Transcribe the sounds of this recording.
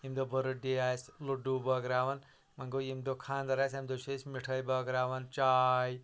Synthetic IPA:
imd̪obɐɾuɖeasloɖubəɡɾaːʋɐn | mɐŋɡojimd̪okʰaːnd̪ɐɾasamd̪osʰesmiʈʰəjbɐɡɾaːʋɐnt͡ʃaj

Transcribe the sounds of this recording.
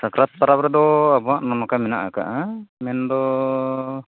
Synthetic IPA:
sakɾat̪̚pːaɾapɾɛdɔabɔaʔnɔnɔkamɛnaʔaka̰ʔamɛndɔ

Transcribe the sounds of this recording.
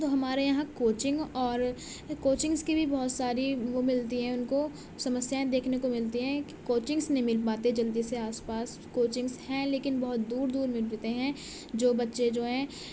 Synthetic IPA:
t̪oɦɐmaːɾejɐɦãkoːt͡ʃɪ̃ŋɡɔːɾ | koːt͡ʃɪ̃ŋɡskibʱibɔɦʊt̪saːɾiʋomɪlt̪iɦɛ̃ʊnko | sɐməsjaẽd̪eːkʰnekomɪlt̪iɦɛ̃kkoːt͡ʃɪ̃ŋɡsnɐɦĩmɪlpaːt̪ed͡ʒɐld̪iseaːspaːs | koːt͡ʃɪ̃ŋɡshɛ̃leːkɪnbɐɦʊt̪̚d̪uːɾd̪uːɾmɪlɾt̪eɦɛ̃ | d͡ʒoːbɐtːʃed͡ʒoːɦɛ̃

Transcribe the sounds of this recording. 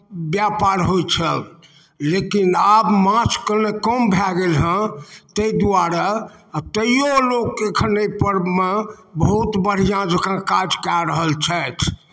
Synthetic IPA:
bjapaɾɦojt͡ʃʰə | lekinabmãskəɾnekəmbʱaɡelɦə̃t̪əid̪uaɾat̪əjolokekʰənəpəɾmebəɦut̪bəɽ̤ijãd͡ʒəkãkad͡ʒkaɾəɦəlt͡ʃʰɛt̪ʰ

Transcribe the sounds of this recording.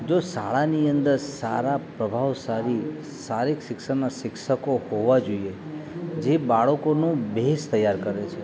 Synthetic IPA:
d͡ʒosa̰ɭaniənd̪əɾsaɾapɾəbʱaʋsaɾi | saɾikʃɪkʃənaʃɪkʃəkohoʋad͡ʒoie | d͡ʒebaɭəkonũbest̪əjaɾkəɾet͡ʃʰe

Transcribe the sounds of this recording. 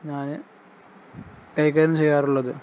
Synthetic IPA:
ɲaːnɨ | kɐjk̬ːɐːɾɐmt͡ɕejːaːruɭːɐðɨ

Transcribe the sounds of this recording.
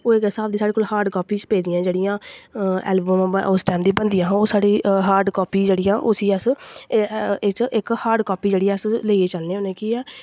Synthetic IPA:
oːɪkɪsaːbd̪iːsaːɽeːkoːlhaːɾɖkɔːpiːt͡ʃpeːd̪ɪjãːd͡ʒeːɽɪjãːɛ̰ːlbəm̃ːʊsʈɛːmd̪iːbənd̪ijãːɦãoːsaːɽiːɦaːɾɖkɔːpiːd͡ʒeːɽijãːʔʊsiːəs | ɪt͡ʃʔɪkhaːɾɖkɔːpiːd͡ʒeːɽiãːəsleːieːt͡ʃəlnẽːoːneːkiːɛː

